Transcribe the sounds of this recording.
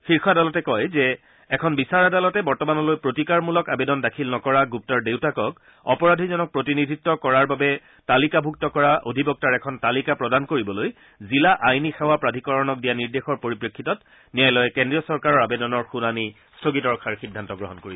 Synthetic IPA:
fiɹxʰadalɔtɛkɔjzɛː | kʰɔnbisaɹadalɔtɛbɔɹtɔmanɔlojpɹotikaɹmulɔkabedɔndakʰilnɔkɔɹaɡup̚tɔɹdewtakɔk | ɔ̰pɔɹadʱizɔnɔk̚pɹotinidʱitːɔkɔɹaɹbabɛ | talikabʱuk̚tɔkɔɹaʔodʱibɔk̚taɹɛkʰɔntalikapɹɔdankoɹibɔloj | zilaʔajnixɛwapɹadʱikɔɹɔnɔk̚dijaniɹdexɔɹpoɹipɹekʰːitɔt | nijajlɔjɛkendɹiɔsɔɹkaɹɔɹabedɔnɔɹxunani | stʰoɡitɔɹkʰaɹxidʱːantɔɡɹɔ̰ɦɔnkoɹibɛ

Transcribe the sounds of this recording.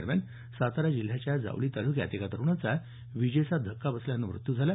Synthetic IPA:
ɾmʲja̰n | sat̪aɾad͡ʑil̤ːjat͡ɕjad͡za̰ʋliːt̪alukja̰t̪ikat̪əɾuɳ̃at͡sa | ʋid͡ʑesad̪ʱəkːabəsljanːəmɾṵt̪jud͡zʱala

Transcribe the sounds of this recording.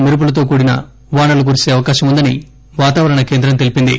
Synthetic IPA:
miɾup̬ulɐt̪̬o̞ːk̬uːɽinɐ̰ | ʋaːɳɐluk̬uɾise̞ːɐʋɐkaːʃɐmund̪ɐni | ʋaːt̪aːʋɐɾɐɳɐke̞ːnd̪ɾɐmt̪e̞lipind̪ḭ

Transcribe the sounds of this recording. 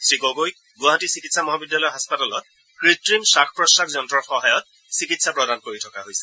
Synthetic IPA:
sɹikoɡojk̚ | ɡuaɦatisikitsamɔɦabidjalɔjɦaspatalɔt̚ | kɹitɹimsakʰpɹɔsakzɔntɹɔɹxɔɦajɔt̚ | sikitsapɹɔdankoɹitʰɔkaɦojsɛ̥

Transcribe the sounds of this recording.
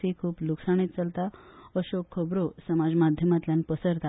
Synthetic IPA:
ikʰuːpluksaɳ̃it̪̚t͡səlt̪aəɕokʰːəbɾosəmad͡zmad̪ʱjəmat̪ljãnpəsəɾt̪a

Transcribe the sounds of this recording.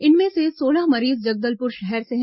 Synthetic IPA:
ɪnmẽsesoːlaɦmɐɾiːzd͡ʒɐɡ̚d̪əlpʊɾʃɛɦɛɾseɦ

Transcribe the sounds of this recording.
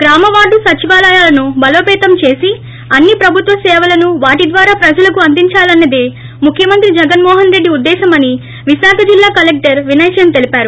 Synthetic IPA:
ɡ̥ɾaːmɐʋaːɖusɐt͡ʃiʋaːlaːjaːlɐnubɐloːpɛːt̪ɐmt͡ʃe̞ːsi | ɐnːipɾɐbʱut̪ʋɐsɛːʋɐlɐnuʋaːʈid̪ʋaːɾaːpɾɐd͡ʒɐlɐkuɐnd̪iɲt͡ʃaːlɐnːɐd̪eː | mukʰjɐmɐnt̪ɾid͡ʒɛɡɐnmɔːɦɐnɾe̞ɖːiud̪ːɛːʃɐmɐni | ʋiʃaːkʰɐd͡ʒilːaːkɐlek̚ʈɐɾʋinɐjʃjɐnt̪e̞lipaːɾu

